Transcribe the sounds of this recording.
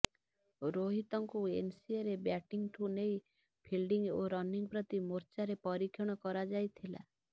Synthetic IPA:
ɾoɦit̪ɔŋkuensieɾebjaʈiŋɡʈʰunej | pʰilɖiŋɡoɾɔniŋpɾɔt̪imoɾt͡ʃaɾepɔɾikʰjɔɽ̃ɔkɔɾad͡ʒajt̪ʰila̰

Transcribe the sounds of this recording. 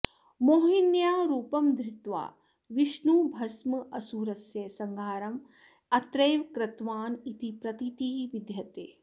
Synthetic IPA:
moːɦinjaːɾuːpɐmd̪ɾɪt̪ʋa̰ː | ʋiʃnubʱɐsmɐʔɐsuːɾɐsjɐsɐŋɡʱaːɾɐm | ɐt̪ɾeːʋkɾɐt̪ʋaːnit̪ipɾɐt̪it̪iːʋid̪jɐt̪eː

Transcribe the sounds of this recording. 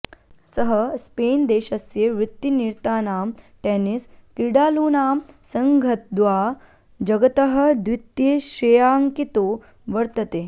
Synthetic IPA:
sɐɦɐspeːnd̪eːʃɐsjeʋɪt̪ːiniɾt̪aːnaːmʈeːniskɾiɽaːluːnaːmsɐŋɡʱɐt̪̚d̪ʋaː | d͡ʒɐɡɐt̪ɐɦɐ̆d̪ʋɪt̪jeʃɾejaːŋkit̪oː | ʋɐɾt̪ɐt̪eː

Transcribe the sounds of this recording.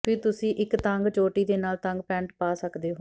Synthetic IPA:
pʰɪːt̪ʊsĩːʔɪkt̪əŋɡt͡ʃoːʈiːd̪eːnaːlt̪əŋɡpɛ̃ːɳʈpaːsəkd̪eːɦoː

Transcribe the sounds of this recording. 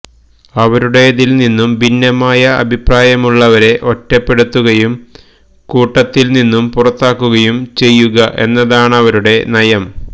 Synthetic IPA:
ɐʋɐɾuɽe̞ðilninːumbinːɐmaːjɐɐ̰bʱipraːjɐmuɭːɐʋɐɾe̞ʔo̞tːɐpːe̞ɽut̪ːuɣɐjum | kuːʈːɐt̪ːilninːumpurɐt̪ːaːkːuɣɐjumt͡ɕe̞jːuɣɐʔe̞̰nːɐðaːɳɐʋɐɾuɽe̞nɐjɐm

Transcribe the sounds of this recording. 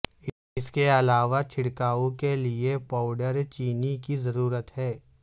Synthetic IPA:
ɪskeɐlaːʋat͡ʃʰɪɽkaːõkeliepaːʊɖəɾt͡ʃiːnikizɐɾuːɾət̪ɦɛː

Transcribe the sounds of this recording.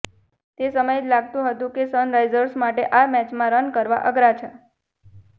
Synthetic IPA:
t̪esəməjed͡ʒlaɡt̪ũɦət̪ũkesənɾajd͡ʒəɾsmaʈeʔamɛt͡ʃmãɾənkəɾʋa̰ʔəɡɾat͡ʃʰa

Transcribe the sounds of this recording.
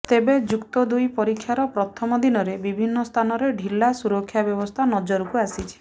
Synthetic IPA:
t̪ebed͡ʒukt̪ɔd̪ujpɔɾikʰːjaɾɔpɾɔt̪ʰɔmɔd̪inɔɾebibʱinːɔst̪ʰanɔɾeɖʱilːasuɾɔkʰːjabjɔbɔst̪ʰanɔd͡ʒɔɾɔkuasit͡ʃʰi̥

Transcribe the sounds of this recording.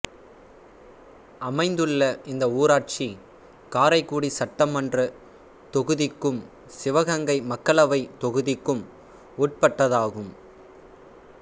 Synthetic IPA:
ʔɐmɐɪnd̪ɯɭːɐɪnd̪ɐuːɾaːʈ̚t͡ʃi | kaːɾɐɪkːuːɽisɐʈːɐmɐndrɯ | t̪ɔɣɯðɪkːɯm | sɪʋɐɣɐŋɡɐɪmɐkːɐɭɐʋɐɪt̪ɔɣɯðɪkːɯm | uːʈ̚pɐʈːɐðaːɣɯm

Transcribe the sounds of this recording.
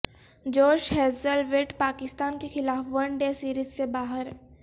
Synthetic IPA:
d͡ʒoːʃhɛːzəlʋeːʈpaːkɪst̪aːnkexɪlaːfʋɐɳɖesiːɾiːzsebaːɦəɾ

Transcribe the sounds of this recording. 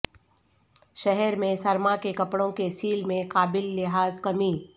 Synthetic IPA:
ʃɛɦɛɾmẽsɐɾmakekɐpɽõkesiːlmẽqaːbɪlːɪɦaːzkɐmiː

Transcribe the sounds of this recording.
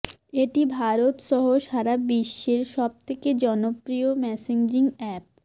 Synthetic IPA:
eʈibʱaɾot̪ʃɔɦoʃaɾabiʃːeɾʃɔb̚t̪ʰeked͡ʑɔnopɾiomɛseɲd͡ʑiŋɛp̚

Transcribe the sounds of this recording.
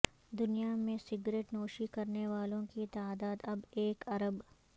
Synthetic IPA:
d̪ʊnijamẽsɪɡɾeːʈnɔːʃikɐɾneʋaːlõkit̪aːd̪aːd̪ɐbeːkɐɾəb

